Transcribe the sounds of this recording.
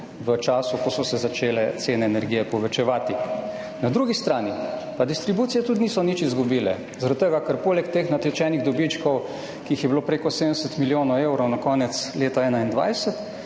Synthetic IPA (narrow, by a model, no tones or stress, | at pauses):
ʋət͡ʃaːsukɔsɔsɛzat͡ʃeːlɛt̪seːnɛːnɛɾɡiːjɛpɔʋɛt͡ʃɛʋaːt̪i | nad̪ɾuɡist̪ɾaːnipad̪ist̪ɾibut̪sijɛt̪ud̪iniːsɔnit͡ʃizɡubiːlɛ̰ | zaɾad̪t̪ːəɡakəɾpoːlɛkt̪eːxnat̪ɛt͡ʃɛːniɣd̪ɔbit͡ʃkɔw | kiixjɛbiloːpɾeːkɔsed̪ənɛsɛt̪miljoːnɔwewɾɔwnakɔːnɛt̪sleːt̪aɛːnaind̪ʋa̰jsɛt̪